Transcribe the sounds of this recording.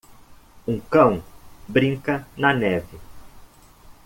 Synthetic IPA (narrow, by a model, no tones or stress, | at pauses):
ũkɐ̃w̃bɾĩŋkɐnɐnɛvɪ